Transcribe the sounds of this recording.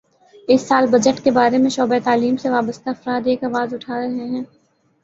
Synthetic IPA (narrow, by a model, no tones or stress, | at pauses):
ɪsːaːlbɐd͡ʒəʈkebaːɾemẽʃɔːbet̪aːliːmseʋaːbəst̪aɐfɾaːd̪eːkaːʋaːzʊʈʰaːɾɐɦeɦɛ̃ː